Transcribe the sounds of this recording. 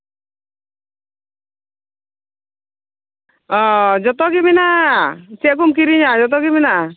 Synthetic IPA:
ɔd͡ʒɔt̪ɔɡiminaʔasiaʔk̬umk̬iɾiɲad͡ʒɔt̪̬ɔɡiminaʔa

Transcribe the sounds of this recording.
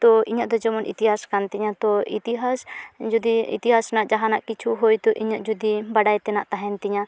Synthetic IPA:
t̪ɔiɲaʔd̪ɔd͡ʒɔmɔnḭt̪iɦaskant̪iɲat̪ɔit̪iɦasd͡ʒud̪iḭt̪iɦasnaʔd͡ʒaɦanaʔkit͡ʃʰuɦojt̪ɔʔiɲaʔd͡ʒud̪ibaɖajt̪ɛnaʔt̪aɦɛnt̪iɲa

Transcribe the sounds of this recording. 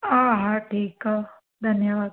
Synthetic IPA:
aːɦãʈʰiːka | d̪ʱɐnjɐʋaːd̪

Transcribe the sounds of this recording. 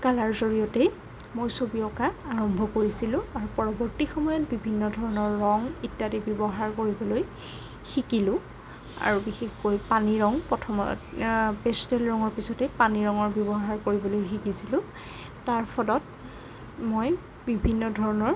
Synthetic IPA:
kalaɹzoɹijɔte | mojsobiɔkaːɹɔmbʱɔkoɹisilʊ̃aɹupɔɹɔbɔɹtixɔmɔjɔt̚bibʱinːɔdʱɔɹɔnɔɹːɔŋitːatibɔbɔɦaɹkoɹibɔloj | xikilʊ̃ | a̰ɹubixexkojpaniɹɔŋpɔtʰɔmɔ̰ | pestɛlɹɔŋɔɹpisɔtɛpaniɹɔŋɔɹbjɔbɔɦaɹkoɹibɔlojxikisilʊ̃ | taɹpʰɔlɔt̚ | moj | bibʱinːɔdʱɔɹɔnɔɹ

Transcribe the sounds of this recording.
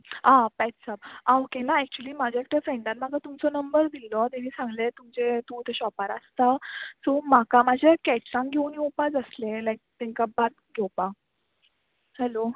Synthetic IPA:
ãpɛtsap̚aokenaɛk̚t͡ɕuəliːmad͡ʑʱaek̚t̪efɾẽɳɖãt̪makat̪umt͡sɔnəmbəɾd̪ilːɔt̪emiːsãŋɡlet̪umd͡ʑet̪ũːt̪eɕɔpaɾast̪asomakamad͡ʑʱekɛt͡ɕɾãŋɡʱeunjopad͡zəslẽlajk̚t̪ẽŋkabat̪ | ɡʱewpa | hɛlo

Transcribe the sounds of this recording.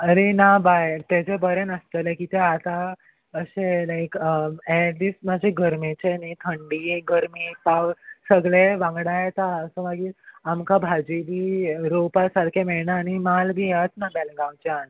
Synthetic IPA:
aɾenabajt̪ed͡ʑebəɾenəst̪elekit̪eat̪a | əɕelajkəeʈlismad͡ʑʱeɡəɾmet͡ɕenit̪ʰəɳɖiɡəɾmipawsəɡɭeʋãŋɡɽajet̪aəsə̃ʋaɡiːlamkabʱad͡ʑibʱiːɾowpasaɾkʰemeɭnaːnimalbʱiːət͡snabɛleɡawt͡ɕan

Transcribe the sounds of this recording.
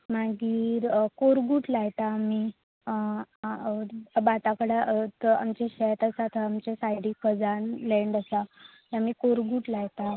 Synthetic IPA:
maɡiːɾkoɾɡuːʈlajt̪aːmi | bat̪akəɽaəa̰mt͡ɕeɕɛt̪asat̪ʰəamt͡ɕesajɽiːkəd͡zanlɛɳɖəsa | jaamiːkoɾɡuːʈlajt̪a

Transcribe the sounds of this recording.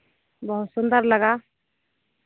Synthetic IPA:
bəɦut̪sʊnd̪əɾləɡa

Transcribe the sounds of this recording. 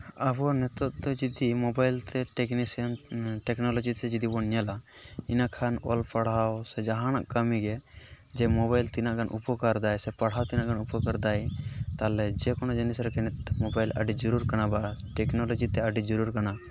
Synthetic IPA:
abɔnɛt̪ɔʔt̪ɔd͡ʒid̪imɔbajlt̪ɛʈɛknisənʈɛknɔlɔd͡ʒit̪ɛd͡ʒid̪ibɔnjala | inakʰanɔlpɐɽ̤awsɛd͡ʒaɦãnaʔkəmiɡɛ | d͡ʒɛmɔβajlt̪inaʔɡanʔupɔkaɾd̪ajsɛpɐɽ̤awt̪inaʔɡanupɔkɐɾd̪ajt̪alɛd͡ʒɛkɔnɔd͡ʒɐnisɾkɛnɛt̪mɔbajla̰ɖid͡ʒɔɾuɾkɐnabaʈɛknolɔd͡ʒit̪ɛəɖid͡ʒɔɾuɾkana

